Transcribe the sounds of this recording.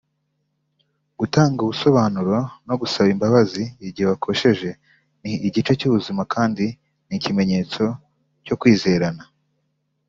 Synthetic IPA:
ɡ̥utaːŋɡuβuso̞βaːnuɾano̞ɡusaβimbaβaziiɟiheβakʰo̞ʃe̞ʒe̞ | niːɟit͡ʃe̞cuβuzimakʰaːndi | nicime̞ɲe̞ːt͡so̞ | co̞kwiːze̞ɾana

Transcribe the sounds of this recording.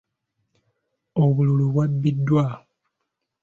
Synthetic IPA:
oβululuβwabːidːwa

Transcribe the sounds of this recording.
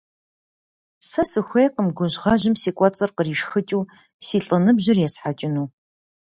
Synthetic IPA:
sɐsɨxʷejqəmɡʷʊʑʁɐʑɪmsiːkʷʼɔt͡sʼɐrqəriːʂxɨt͡ʃʼuː | siːɬʼənɨbʑɪrjɛsħat͡ʃʼɪnuː

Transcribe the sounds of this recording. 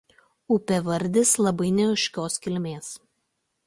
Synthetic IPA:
ʊpʲɛʋɐɾʲd̪ʲɪslˠɐbɐɪnʲɛʊʃʲkʲoːskʲɪlʲmʲeːs

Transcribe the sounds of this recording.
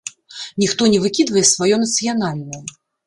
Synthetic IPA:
nʲixt̪ɔnʲɛvɨkʲid̪vɐjɛsvajɔnɐt̪sɨjanalʲnɐjɐ

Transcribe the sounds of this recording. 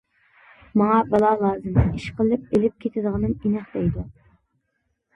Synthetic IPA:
mɑŋɑbɑlˠɑlˠɑːzɨmiʃqəlˠɨp̚elɪp̚kʲʰet̪ʰɪd̪əʁɨnɨminæχd̪ɛjd̪u

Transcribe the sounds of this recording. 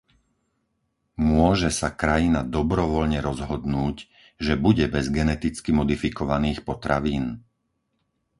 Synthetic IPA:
mʊɔʒɛsakɾajinad̪ɔbɾɔʋɔʎɲɛɾɔzɦɔd̪nuːc | ʒɛbuɟɛbɛzɡɛnɛt̪it͡skimɔd̪ifikɔʋaniːxpɔt̪ɾaʋiːn

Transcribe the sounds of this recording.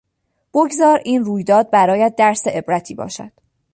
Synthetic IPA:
b̥oɡzɒːɾiːnruːjd̪ɒːd̪̚bæɾɒːjæd̪̚ːæɾseʔe̞bɾæt̪ʰiːbɒ̰ːʃæ̰d̪̥

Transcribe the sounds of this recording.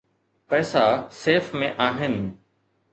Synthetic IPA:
pɐːsaseːfmẽʔaːɦɪnɪ̆

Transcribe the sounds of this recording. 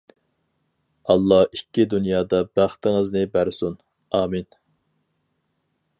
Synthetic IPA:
ɑlˠːɑhikʲːid̪unjɑːd̪ɑbæχt̪ʰɪŋɨznɪbæɾsun | ɑːmin

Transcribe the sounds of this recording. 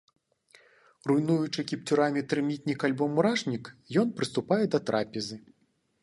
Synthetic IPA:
rujnujut͡ʂɨkʲip̚t͡sʲuɾamʲit̪ɾɨmʲit̪ʲnʲikalʲbɔmuɾaʂnʲikjɔnpɾɨst̪upajɛd̪ɐt̪ɾʔapʲɛzɨ

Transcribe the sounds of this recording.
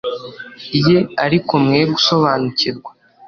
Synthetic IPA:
ije̞aɾikomŋeːɡuso̞βaːnuciɾɡwa

